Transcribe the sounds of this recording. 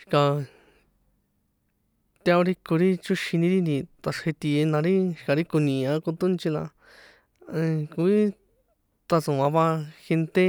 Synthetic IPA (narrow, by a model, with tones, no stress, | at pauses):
ʃka˧ | t̪a˧õ˧ɾi˦ko˧ɾi˦t͡ʃu˦ʃi˧nĩ˧ɾi˦nd̪i˧t̪a˧ʂhe˧t̪i˧e˧nã˧ɾi˦ʃka˨˧ɾi˦ko˧nĩ˧˨˧ã˧˦ku˧t̪u˦nt͡ʃi˧la̰˧ | ku˧i˦ | t̪a˧sũ˨ã˧βa˧xe˧nt̪e˦